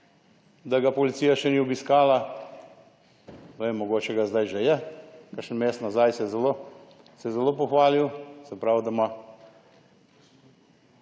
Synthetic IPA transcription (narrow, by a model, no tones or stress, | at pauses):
d̪aɡapɔlit̪sijaʃɛniːɔbiskaːla | ʋemːɔɡoːt͡ʃɛɡazd̪ajʒɛjɛkaʃənmeːst̪nazajsɛzɛloː | sɛzɛlop̬ɔxʋaːliwsɛpɾawd̪ama